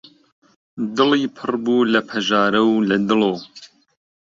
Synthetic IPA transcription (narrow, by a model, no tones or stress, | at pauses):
d̪ɨliːpʰɨrbuːlɐpʰɐʒɑːɾɐwlɐd̪ɨloː